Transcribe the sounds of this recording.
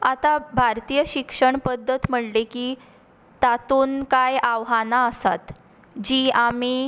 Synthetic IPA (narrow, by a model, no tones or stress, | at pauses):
at̪abʱaɾt̪ijəɕikʂəɳpəd̪ʱːət̪m̤əɽlekiː | t̪at̪uːnkajaʋɦanaəsa̰t̪ | d͡ʑiːami